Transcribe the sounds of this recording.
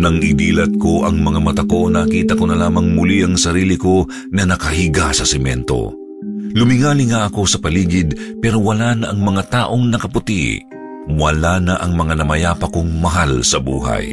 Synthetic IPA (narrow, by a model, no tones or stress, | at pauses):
nɐŋʔɪd̪iːlɐt̪̚ko̞ʔɐŋmɐŋamɐt̪ɐko̞nːɐkiːt̪ɐkonɐlaːmɐŋmʊliʔɐŋsɐɾiːlɪko̞ | ŋɐnɐkɐɦiɡasɐsɛmɛ̰nt̪o̞̰ | lʊmɪŋaːlɪŋaʔɐko̞sɐpɐliːɡɪd̪̚pɛɾo̞wɐlaːnɐʔɐŋmɐŋat̪aːʔo̞ŋnɐkɐpʊt̪iʔ | wɐlanɐʔɐŋmɐŋanɐmɐjaːpɐkoŋmɐɦalsɐbuːɦɐ̰j